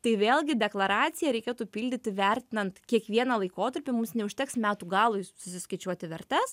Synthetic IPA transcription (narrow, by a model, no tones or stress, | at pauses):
t̪ɐɪʋʲeːlˠʲɡʲɪd̪ʲɛklˠɐɾɑːt̪sʲɪjɛɾʲɛɪkʲeːt̪uːpʲiːlʲd̪ʲɪt̪ʲɪʋʲɛrʲt̪ʲɪnɐnt̪kʲiɛkʋʲiɛnɐlˠɐɪkoːt̪ɐɾʲpʲɪmʊmsnʲɛʊʃʲt̪ʲɛksmʲæːt̪uːɡɑːlˠʊjsʊsʲɪskɐɪt͡ʃʲuɔt̪ʲɪʋʲɛɾʲt̪ʲɛs